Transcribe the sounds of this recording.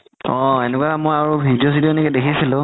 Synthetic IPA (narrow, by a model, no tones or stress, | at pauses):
ɔ̃enɛkwamojaɹubʱidijos̬idioɛnɛkɛdekʰisilʊ̃